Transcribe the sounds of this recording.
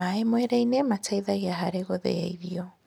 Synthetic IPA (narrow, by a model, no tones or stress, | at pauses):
aemwɛɾɛinematʰaiðaɣeaɦaɾeɣoðḛja̰iðiɔ